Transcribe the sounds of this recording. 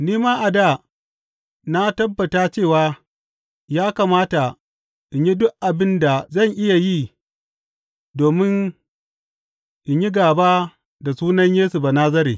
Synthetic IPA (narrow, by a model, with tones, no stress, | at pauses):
niː˦maː˦ʔa˨da˦˨ | na˦tɐ˦bːɐ˨taː˦t͡ʃeː˦˨waː˨˦ | jaː˦kaː˨maː˦ta˨ | ʔɪ˨ɲji˦dʊ˦ʔʔa˨bɪ˦nda˨zɐ˦˨ɲʔɪ˦ja˨jiː˦˨ | doː˨mɪ˦n | ʔɪ˨ɲji˦ɡaː˨ba˦ | da˨suː˦nɐ˦ɲjeː˦su˨ba˨naː˦zɐ˦ɾeː˨